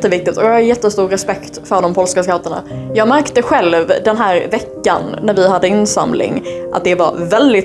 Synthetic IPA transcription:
t̪ːəvɪk̚t̪ɪt̪ɔjɑhajɛt̪ːəst̪uːɾɾɛspɛkt̪fœɖɔmpʰɔlskaskat̪əɳa̰jɑːɡmæɾkt̪əɧɛlvd̪ɛnɦæːɾvɛkːa̰nːæɾvɪɦad̪ːəɪnːsa̰mlɪ̰ŋʔa̰t̪̚d̪ɛva̰vɛld̪ɪt̪

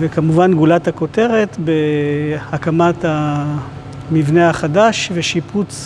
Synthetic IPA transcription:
vekamuvanɡulathako̞te̞ʁe̞tbe̞hakamatha | mivnehaχadaʃveʃiput͡s

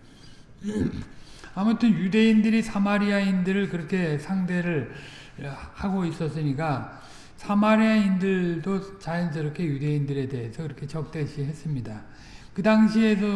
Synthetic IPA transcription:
amutʰɯnjude̞indɯɾisʰamaɾiaindɯɾɯɭkɯɾʌkʰe̞sʰaŋde̞ɾɯɭ | haɡois͈ʌs͈ɯɲik͈a | sʰamaɾiaindɯɭdot͡ɕajʌns̬ʰʌiɾʌkʰe̞jude̞indɯɾe̞de̞esʰʌkɯɾʌkʰe̞t͡ɕʌk̚t͈weɕʰiɦe̞s͈ɯmɲida | kɯdaŋɕʰie̞sʰʌ

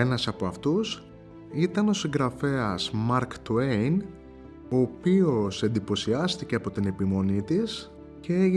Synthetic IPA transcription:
enɐsɐpo̞ɐft̪us | it̪ɐno̞siŋɡɾɐfe̞ɐzmɐɾkt̪uejn | o̞ːpio̞se̞nd̪ipo̞siɐst̪ice̞ɐpo̞t̪ine̞pimo̞nit̪is | cee

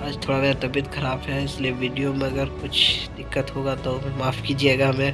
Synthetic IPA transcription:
aːd͡ʒt̪ʰoːɽanet̪ɐbɪt̪xɐɾaːbɦɛɪslieʋiːɖijomẽɐɡəɾkʊt͡ʃʰd̪ɪkːət̪ɦoɡat̪omẽmaːfkid͡ʒieːɡaɦɐmẽ

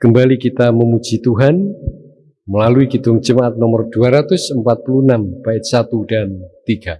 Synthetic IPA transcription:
kəmbalikit̪aməmu̥d͡ʒit̪uɦan | məlaluiɡit̪ʊŋ̥d͡ʒəmaʔat̪̚nɔmɔrd̥uaɾat̪ʊsəmpat̪̚pulunamb̥aɪt̪̚sat̪ud̥ant̪iɡ̥a

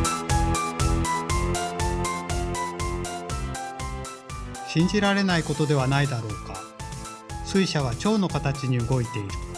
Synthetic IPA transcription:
ɕĩɲ̟d͡ʑiɾaɾe̞naiko̞t̪o̞d̪e̞β̞anaid̪aɾo̞ːka | sɨiɕaɡat͡ɕo̞ːno̞kat̪at͡ɕiɲ̟iɯ̟ɡo̞it̪e̞iɾɯ̟

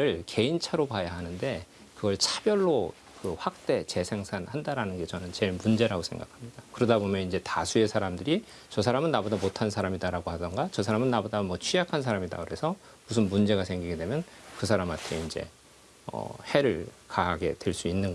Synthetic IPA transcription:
ɯɭkʰe̞int͡ɕʰaɾopajaɦanɯnde̞ | kɯɡʌɭt͡ɕʰab̥jʌɭːo | kɯɸwak̚t͈e̞t͡ɕe̞sʰe̞ŋsʰanhandaɾanɯnɡe̞t͡ɕʌnɯnt͡ɕe̞ɭmund͡ʑe̞ɾaɡosʰeŋɡakʰamɲidakɯɾʌdabomjʌnind͡ʑe̞tasʰue̞sʰaɾamdɯɾi | t͡ɕʌs̬ʰaɾamɯnːabodamotʰansʰaɾamidaɾaɡohadʌnɡat͡ɕʌsʰaɾamɯnːabodamwʌt͡ɕʰijakʰans̬ʰaɾamida̰kɯɾe̞sʰʌ | mus̬ʰɯnmund͡ʑe̞ɡasʰe̞ŋɡiɡe̞dwe̞mjʌnkɯsʰaɾamatʰe̞ind͡ʑe̞̰ | ʌ̰he̞ɾɯɭkaɦaɡe̞̰dwe̞ɭs͈uinːɯnɡʌ

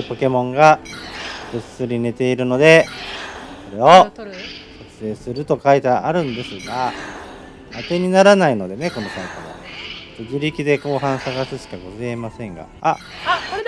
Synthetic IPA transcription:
po̞ke̞mõ̞ŋɡa | b̥ɯsɨɾʲine̞t̪e̞iɾɯ̟no̞d̪e̞ | so̞ɾe̞o̞ | sakɯ̥se̞ːsɨɾɯ̟t̪o̞kait̪eaʔaɾɯ̟̃nd̪e̞sɨɡa | at̪e̞ɲ̟inaɾanaino̞d̪e̞ne̞ko̞no̞saik̪omo̰t̪oʑiɾʲikʲid̪e̞ko̞ːɦãɰ̃saɡasɨɕi̥kaɡo̞zeemasẽ̞ŋɡa̰a

